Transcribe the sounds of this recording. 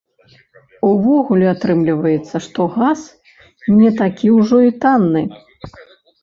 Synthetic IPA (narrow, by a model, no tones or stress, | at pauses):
uvɔɣulʲɛat̪ɾɨmlʲivɐjɛt̪sːɐʂt̪ɔɣas | nʲɛt̪akʲiwʐɔit̪anːɨ